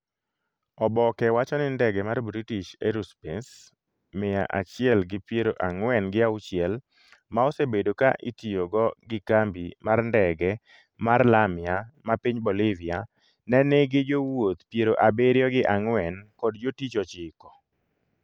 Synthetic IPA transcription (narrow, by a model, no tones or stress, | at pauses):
ɔbɔkɛwat͡ʃɔnɪndɛɡɛmarbɾitiʃeɾuspɛns | mɪja̰ʔat͡ʃɪɛlɡɪpjeɾoʔaŋwɛnɡɪaut͡ʃɪɛl | maɔsebedoka̰ʔitijoɡɔɡɪkambimarndɛɡɛ | marlamɪamapiɲbolɪvia | nɛneɡɪd͡ʒowot̪pjeɾoʔabeɾjɔɡɪʔaŋwɛnkɔdd͡ʒotit͡ʃɔt͡ʃɪkɔ̥